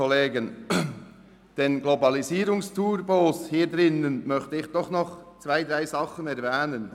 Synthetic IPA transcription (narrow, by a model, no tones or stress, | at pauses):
oleːɡən | d̥eːnɡlobɑliziːɾʊŋstʰuːrboːshiːɾd̪ɾɪnənmœçtəɪçd̥ɔχnɔχt͡sv̥aɪd̪ɾaɪzɑχənɛɾvɛːnən